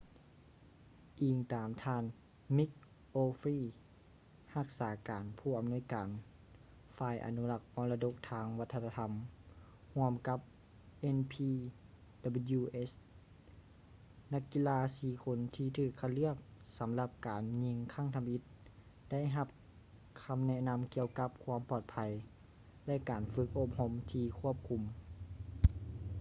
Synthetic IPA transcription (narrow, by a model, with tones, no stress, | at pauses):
ʔiː˨˩ŋt̪aː˨˩mt̪ʰaː˧n | mi˧˥k̚ | ʔoː˧fiː˧˩ | ha˧k̚saː˨˦kaː˨˦npʰuː˧˩ʔa˨˩mnu˧˥ə˨jkaː˨n | faː˧˩jʔa̰˨nu˧˦˧la˧k̚ʔɔː˧nla˧do˧˥k̚t̪ʰaː˧ŋʋa˧t̪ʰːa˧t̪ʰa˧˦m | hu˧əmka˧˦˥p̚ | ʔe˧npʰiː˧ | d̥a˧bə˧juː˧ʔe˦˥s | na˧˥kːi˧laː˧siː˧˩kʰo˧˥nt̪ʰiː˧t̪ʰɯː˧˩kʰːa˧t̪̚lɯ˥˩ək̚sa˨˦mla˧p̚kaː˨nɲi˧ŋkʰa˧˥˩ŋt̪ʰa˧mʔi˧˥t̪̚ | d̥a˥˩jɦa˧p̚ | kʰa˧mnɛ˧na˧˥mki˧əwka˧˦p̚kʰwaː˧mpɔː˧˩t̪̚pʰa˧˦j | lɛ˧˥ʔkaː˨˩nfɯ˧˦k̚ʔo˧˩p̚ho˧˥˨mt̪ʰiː˧kʰu˥˩əp̚kʰu˧m